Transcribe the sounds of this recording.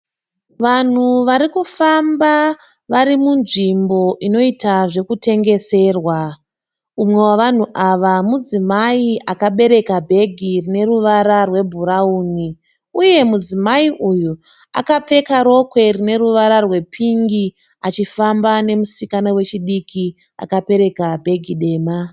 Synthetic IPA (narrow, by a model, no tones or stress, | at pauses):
ʋan̤uʋaɾikufamba | ʋaɾimunʐimbo̞ʔino̞itaʐe̞kute̞ŋɡe̞se̞ːrwa | umwe̞waʋan̤uʔaʋamud͡zimaiʔakaɓe̞ɾe̞kabʱe̞ɡʱirine̞ruʋaɾarwe̞bʱuɾauːni | uje̞mud͡zimaiʔuju | a̰kap͡fe̞kaɾo̞kwe̞rine̞ɾuʋaɾarwe̞pʰiŋɡi | at͡ʃifambane̞musikanawe̞t͡ʃiɗikʰi | a̰kape̞ɾe̞kabʱe̞ɡʱiɗe̞ːma